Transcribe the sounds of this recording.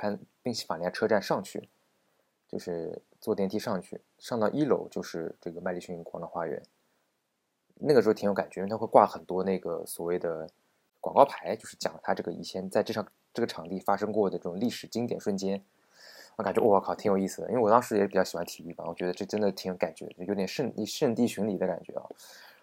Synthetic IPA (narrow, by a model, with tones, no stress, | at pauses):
kʰa˥˩npi˥˧ŋɕi˥fa˨˩˧ʈ͡ʂʰɤ˥ʈ͡ʂa˥˧nʂɑ˥˧ŋt͡ɕʰy̰˥˩ | t͡ɕjo˥˧ʊʂɻ̩˥˧ | t͡swɔ˥˩t̪jɛ˧˥nt̪ʰi˥ʂɑ˥˧ŋt͡ɕʰy̰˥˩ | ʂɑ˥˧ŋt̪ɑ˥˩ʊʔi˥lo̰˧˥ʊt͡ɕjo˥˧ʊʂɻ̩˥˧ʈ͡ʂɤ˥˩ɡə˩ma˥˧ɪli˥˧ɕy˥˧i˧˥ŋkwɑ˧˥ŋd̪ə˧xwa˥ɥɛ̰˧˥n | na˥˩ɡəʂɻ̩˧˥˧t̪ʰjo˧˥ka˨˩nt͡ɕɥt̪ʰa˥wkwa˥˩lxə˨˩nt̪wɔ˥ne˥˩ɡə˩swɔ˨˩we˥˩ɪd̪ə˩ | kwɑ˨˩ŋkɑ˥˧ʊpʰa˧˥ɪt͡ɕjo˥˧ʊʂɻ̩˥˩t͡ɕjɑ̰˨˩ŋt̪ʰa˥ʈ͡ʂɤ˥˩ɡə˩ḭ˥˩t͡ɕʰjɛ˥nt͡sa˥˧ɪʈ͡ʂɤ˥˩ʂʰɑ˥˩ŋ | ʈ͡ʂɤ˥˩ɡə˩ʈ͡ʂʰɑ˧˥ŋt̪i˥˩fa˥ʂɤ˥ŋkwɔ˥˩d̪ə˩ʈ͡ʂɤ˥˩ʈ͡ʂʊ˨˩ŋ˧li˥˩ʂɻ̩˨˩t͡ɕi˥ŋt̪jɛ˨˩nʂwə˥˩nt͡ɕjɛ˥n˧˥ | ka˨˩t͡ɕɥɛ˧˥wɔ˥˩˥kʰɑ˨˩ʊt̪ʰi˧˥ŋjo˨˩ʊi˥˩sɹ̩˩əje˧wɔ˨˩t̪ɑ˥ŋʂɻ̩˧˥jɛ˨˩ʂɻpjɕi˨˩xwa˧˥nt̪ʰi˨˩y˥˩bɐ˨˩wɔ˨˩t͡ɕɥɛ˧˥d̪ə˧ʈ͡ʂɤ˥˩ʈ͡ʂə˥nd̪ə˨˩t̪ʰi˧˥jo˧˥ka˨˩nt͡ɕɥɛ̰˧˥˩jo˧˥ʊt̪jɛ˨nʂə˥˧ni˥˧ʂə˥˧nt̪i˥˩ɕy˧˥ŋli˨˩d̪ə˦ka˨˩nt͡ɕɥɛ̰˧˥ɐ̰˧˦